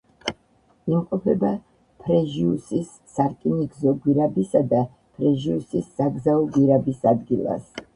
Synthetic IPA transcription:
imqʼɔpʰɛba | pʰɾɛʒiusisːaɾkʼiniɡzɔɡwiɾabisad̪a | pʰɾɛʒiusisːaɡzaɔɡwiɾabisad̪ɡilˠa̰s

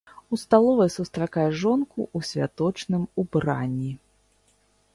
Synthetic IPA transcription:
ust̪alˠɔvɐjsust̪ɾakajɛʐɔnkuʔusʲvʲa̰t̪ɔt͡ʂnɨmubɾa̰nʲːi

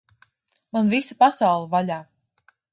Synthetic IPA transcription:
manvisapasawlˠɨvalʲaː

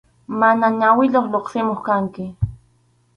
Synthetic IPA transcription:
manaɲawɪʎoχʎoqsɪmoχkaŋkɪ

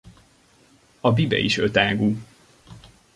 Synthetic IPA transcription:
ɒbibɛ̰iʃøt̪aːɡuː

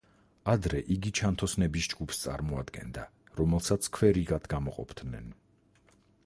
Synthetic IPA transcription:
ad̪ɾɛʔiɡit͡ʃʰant̪ʰɔsnɛbisd͡ʒɡupʰst̪sʼa̰ɾmɔa̰d̪ɡɛ̰nd̪aɾɔmɛlˠsat̪sʰkʰwɛɾiɡat̪ʰɡamɔqʼɔ̰pʰd̪nɛ̰n

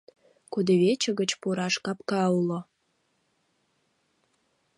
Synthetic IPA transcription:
kud̪eβet͡ɕə̆ɣət͡ɕpuɾɑʃkɑpkɑulo

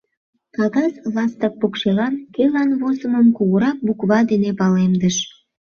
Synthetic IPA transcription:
kɑɣɑslɑst̪ək̚pukʃelɑnkelɑnβosəməmkuɣəɾɑk̚bukβɑd̪enepɑlemd̪əʃ

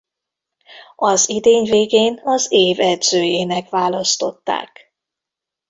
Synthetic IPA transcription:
ɒzid̪eːɲveːɡeːnɒzeːvɛd̪z̥øːjeːnɛkvaːlɒst̪o̞t̪ːa̰ːk

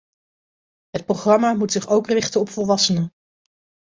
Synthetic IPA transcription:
ɦət̚proχrɑmamutsɪχowkrɪχtənɔpfɔlˠʋɑsənən

